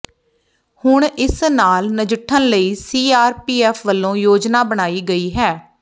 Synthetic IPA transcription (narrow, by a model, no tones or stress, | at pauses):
hʊɳɪsnaːlnəd͡ʒəʈʰːənləiːsiːaːɾpiːɛːfʰʋəlːõːjoːd͡ʒnaːbəɽ̃aːiːɡəiːɦɛː